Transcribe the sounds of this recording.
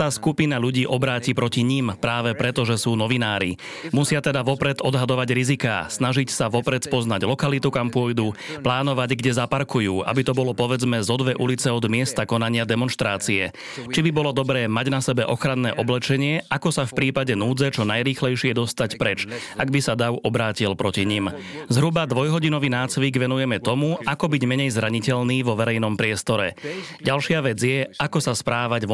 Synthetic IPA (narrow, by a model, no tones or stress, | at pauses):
t̪aːskupinaʎuɟiːʔɔbɾaːcipɾɔciɲimpɾaːʋɛpɾɛt̪ɔʒɛsuːnɔʋinaːɾḭ | musɪat̪ɛd̪aʋɔpɾɛd̪ɔd̪ɦad̪ɔʋaɟɾizika̰ːsnaʒicsaʋɔpɾɛt̪spɔznaɟlɔkalit̪ukampʊɔjd̪uːplaːnɔʋaɟɡɟɛzapaɾkujuːʔa̰bit̪ɔbɔlɔpɔʋɛd͡zmɛzɔd̪ʋɛʔulit͡sɛɔd̪mɪɛst̪akɔnaɲɪad̪ɛmɔnʃt̪ɾaːt͡siɛ̰ | t͡ʃibibɔlɔd̪ɔbɾɛːmaɟnasɛbɛʔɔxɾanːɛːʔɔblɛt͡ʃɛɲɪɛakɔsafpɾiːpaɟɛnuːd͡zɛt͡ʃɔnajɾiːxlɛjʃɪɛd̪ɔst̪acpɾɛt͡ʃ | aɡbisad̪aʊɔbɾaːcilpɾɔciɲim | zɦɾubad̪ʋɔjɦɔɟinɔʋiːnaːt͡sʋiɡʋɛnujɛmɛt̪ɔmuʔakɔbiɟmɛɲɛjzɾaɲicɛʎniːʋɔʋɛɾɛjnɔmpɾɪɛst̪ɔɾɛɟalʃɪaʋɛd͡zjɛʔakɔsaspɾaːʋaɟv